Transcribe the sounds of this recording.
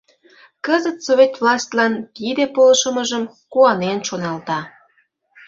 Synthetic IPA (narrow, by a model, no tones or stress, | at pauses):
kəzət̪sovʲet̪vlˠɑsʲt̪ʲlɑnt̪id̪epolʃəməʒəm | kuɑnenʃonɑlt̪ɑ